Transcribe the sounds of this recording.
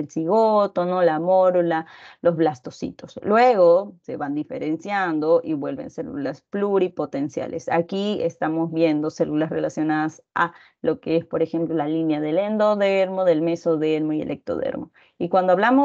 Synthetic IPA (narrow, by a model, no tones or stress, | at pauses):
elsiɣot̪onolamoɾolalo̞zβlast̪o̞sḭt̪o̞slweɣo̞se̞βand̪ifḛɾe̞nsjand̪oʔiβwe̞lβe̞̰nselulaspluɾipo̞t̪e̞nsja̰lʔḛsa̰kiḛst̪amo̞zβje̞nd̪o̞selulasre̞lasjo̞naðas | a̰ | lo̞keespo̞ɾe̞xe̞mplolalinjaðe̞lend̪oðeɾmo̞ðe̞lmesoðeɾmoielʔek̚t̪o̰ðḛɾmo̞ | ikwand̪oaβlamo